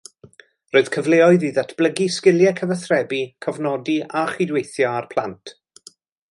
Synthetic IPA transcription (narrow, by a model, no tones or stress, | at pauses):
roːɨð̥kʰəvleɔɨðiːðatʰb̥ləɡiskɪlˠjɛkʰəvəθrɛbikʰɔvnɔdiaχidwejθjɔarpʰlˠantʰ